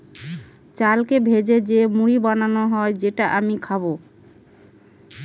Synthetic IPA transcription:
t͡ɕalkebʱed͡ʑed͡ʑemuɾibananoɦɔed͡ʑeʈaʔamikʰaβo

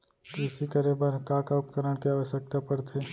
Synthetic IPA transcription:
k̪ɪsikɐɾebəɾkaːkap̚kɐɾəɽ̃keaːʋəʃjək̚t̪apɐɽt̪ʰeː

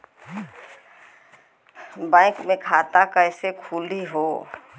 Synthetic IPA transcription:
bãɪkmẽkʰat̪akəɪsekʰuːliɦo

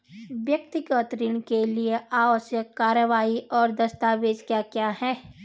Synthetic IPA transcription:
ʋjək̚t̪ɪɡət̪ɾiːɽ̃kelieʔaːʋəsjəkːaːɾjəʋaːiʔɔːɾd̪ɐst̪aːʋeːd͡ʒkjakjaːhɛː

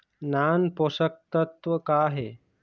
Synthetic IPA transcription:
nanposək̚t̪ət̪ʋəkaɦe

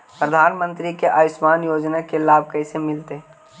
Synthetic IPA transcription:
pɾəd̪ʱaːnmə̃nt̪ɾikeʔaːjʊsmaːnjoːd͡ʒnakelaːb̚ʱkɐɪsemɪlt̪e

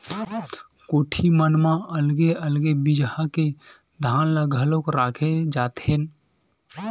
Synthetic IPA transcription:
koːʈʰimənmãəlɡeəlɡebɪd͡ʒhake | d̪ʱaːnlaɡʱəlõkɾaːkʰed͡ʒaːt̪en

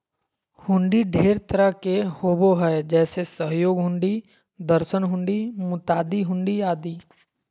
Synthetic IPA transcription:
hʊ̃ɳɖiɖʱeːɾt̪əɾəɦkehoːboɦɛd͡ʒɛːsesəɦjoːɡɦʊ̃ɳɖi | d̪əɾʃənɦʊ̃ɳɖimʊt̪aːd̪iɦʊ̃ɳɖiaːd̪iː

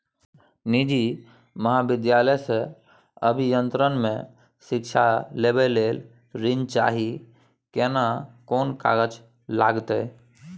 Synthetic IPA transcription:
nid͡ʒi | məɦabɪd̪jaləjsẽ | əbʱijənt̪ɾənmẽ | sikt͡ʃʰalebɛlel | ɾint͡ʃa̰ɦi | kenakonka̰ɡət͡ʃ | la̰ɡt̪ɛ

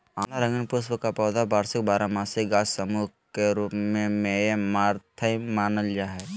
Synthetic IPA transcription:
aːnaɾə̃ŋɡənpusbəkapɔːd̪abaːɾsɪk̚baːɾamaːsɪɡaːssəmu | keɾuːpmẽmẽmaːɾt̪ʰəimaːnəld͡ʒaːɦɛ

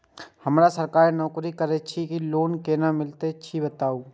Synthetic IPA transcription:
hɐmɾasəɾkaːɾnɔːkɾikəɾet͡ʃʰikiloːnkeːnamɪlt̪et͡ʃʰibət̪aːuː

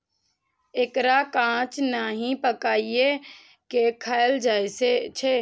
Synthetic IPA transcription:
eːkɾakãːt͡ʃnaːɦĩpəkaːie | kekʰaeld͡ʒaːeset͡ʃʰe

